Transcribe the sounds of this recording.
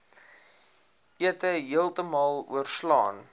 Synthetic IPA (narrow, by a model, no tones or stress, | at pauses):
iətəɦiəlˠtəmɑːlˠṵərslɑ̰ːn